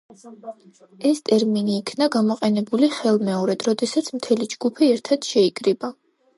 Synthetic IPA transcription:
ɛst̪ʼɛɾminiːkʰnaɡamɔqʼɛnɛbuliχɛlˠmɛɔɾɛd̪̥ɾɔd̪ɛsat̪sʰmt̪ʰɛlid͡ʒɡ̥upʰiɛɾt̪ʰad̪̥ʃɛikʼɾiba

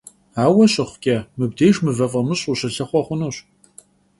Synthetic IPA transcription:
aːwɐɕɪχʷkʲʼɐmɨb̚deːjʒmɨvɐfʼɐmɨɕʼuɕɐrɬɐχʷɔχʷʊnoːɕ

